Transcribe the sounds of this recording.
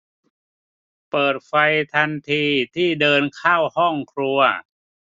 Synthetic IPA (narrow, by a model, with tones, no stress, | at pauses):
pɤː˨˩t̪̚fa˧jt̪ʰa˧nt̪ʰiː˧t̪ʰiː˥˩dɤː˧nkʰaː˥˩whɔ˥˩ŋkʰɾu˧ɐ